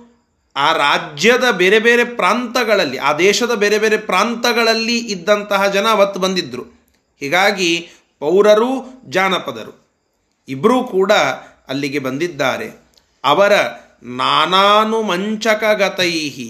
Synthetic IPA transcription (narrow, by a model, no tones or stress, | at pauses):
aːɾaːd͡ʒjɐd̪ɐbeːɾe̞beːɾe̞pɾaːnt̪ɐɡɐɭɐlːiʔaːd̪ɛːʃɐd̪ɐbeːɾe̞beːɾe̞pɾaːnt̪ɐɡɐɭɐlːiʔid̪ːɐnt̪ɐɦɐd͡ʒɐnɐʋɐt̪ːubɐnd̪id̪ɾu | hiːɡaːɡi | pɐwɾɐɾud͡ʒaːnɐpɐd̪ɐ̰ɾṵ | ibɐɾuːkuːɽɐ | ɐlːiɡe̞bɐnd̪id̪ːa̰ːɾḛ | ɐʋɐɾɐ | naːnaːnumɐɲt͡ʃɐkɐɡɐt̪ɐjɦi